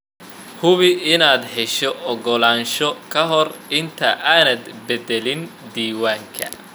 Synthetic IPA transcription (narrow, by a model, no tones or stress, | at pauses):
hʊβɪɪnaːd̪ħɛʃɔʔɔɡɔlaːnʃɔkʰɐɦɔrɪnt̪ʰɐʔaːnɐd̪bɛdɛlɪnd̪iːwaːŋkʰɐ̰